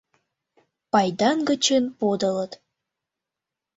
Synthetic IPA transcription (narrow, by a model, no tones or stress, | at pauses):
pɑjd̪ɑnɡət͡ɕənpod̪ɤ̆lət̪